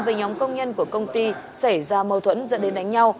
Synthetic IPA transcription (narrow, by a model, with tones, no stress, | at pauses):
veː˨˦ɲɔ˨˦mkə˧wŋ͡mɲə˧nku˧˩əkə˧wŋ͡mt̪i˧sa˧˩jzaː˧mə˨˩wt̪ʰwə̰˧˥nzə̰˧˥nɗe˨˦nɗa˨˦jŋ̟ɲa˧w